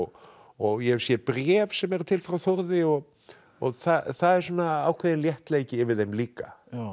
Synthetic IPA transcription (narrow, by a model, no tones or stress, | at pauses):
ɔɣjɛ̥sjɛpɾjɛːvsɛmɛɾʏt̪ʰɪlfɾawθɔɾðɪɔɣ | ɔɣθaθaðɛɾsɔːnaaːwkʰvɛːðɪnljɛht̪leːjcɪːɾvɪððejmliːka